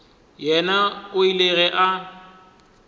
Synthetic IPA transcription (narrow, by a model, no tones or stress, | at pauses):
jɛnaʊileɣɛʔa